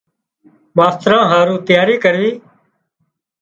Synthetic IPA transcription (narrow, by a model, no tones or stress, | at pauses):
ʋaːst̪ɾãːɦaːɾũːt̪ɪjaːɾiːkəɾʋiː